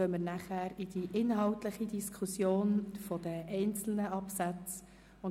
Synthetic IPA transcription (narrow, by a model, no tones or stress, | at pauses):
œməɾnæχæːɾid̥iʔɪnɦɑʊtləχid̪iskʰusjoːnfɔd̥̪əʔɛɪnt͡sl̩nəʔɑpsæt͡s | ʊn